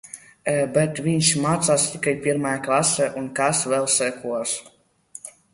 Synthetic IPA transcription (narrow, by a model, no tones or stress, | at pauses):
ɛbɛt̪vʲiɲʲʃmaːt̪saːst̪ʲikajpʲiɾmajaklˠasɛʔunkasvɛlˠsɛkuɔs